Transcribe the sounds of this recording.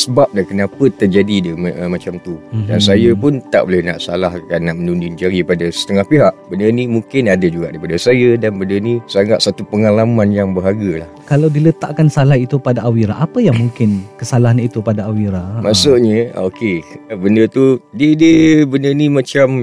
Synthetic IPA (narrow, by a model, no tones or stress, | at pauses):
səbap̚lakənapət̪ərd͡ʒadidəmmat͡ʃamt̪uda̰nsajəpʊnt̪a̰ʔbolɛhnaʔsalahkanːaʔmənundind͡ʒaɾipadasə̥t̪əŋahpiɦaʔbənərnĩmuŋkɪnadad͡ʒuɡaʔdaipadasajədanbəndərnĩsaŋɡaʔsat̪upəŋalamanjaŋbəɦaɡəlahkalawdilət̪a̰ʔkansalahit̪upadaʔawiɾaʔapəjaŋmũŋkɪnkəsalaɦanit̪upadaawiɾamasʊʔɲə̰okebəndərt̪udiədəbəndənimãt͡ʃam